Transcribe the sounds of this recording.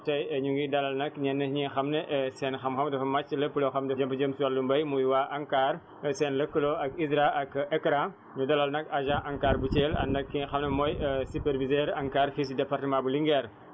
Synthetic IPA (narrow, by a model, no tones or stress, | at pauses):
tɐjɐɲuŋɡidɐlɐlnɐkɲɛnːɐɲixɐmneʔsɛnxɐmxɐmdɐfɐmat͡ʃːlɐpuloxɐmdɐd͡ʒɐmpɐd͡ʒəmswɐlːumbɐjmujwaːʔɐŋkaːɾ | sɛːnlɐkːəloɐkizɾaɐkɛkɾã | ɲudɐlɐlnɐkaʒãʔɐŋkaːɾbut͡ʃeːlɐ̰nɐkːixɐmnɐmɔːjsupɛɾvizɛːɾɐŋkaːɾfisdɛpaɾtəmãːbuliŋɡɛɾ